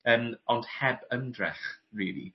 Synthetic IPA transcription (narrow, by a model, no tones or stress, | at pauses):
əːmɔnd̥hɛbəmdrɛ̰χriːlˠḭ